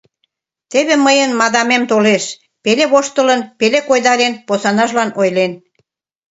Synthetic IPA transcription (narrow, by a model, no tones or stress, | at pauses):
t̪eβĕməjənmɑd̪ɑmemt̪oleʃ | peleβoʃt̪ə̆lə̆npelekojd̪ɑɾenposɑnɑʒlɑnojlen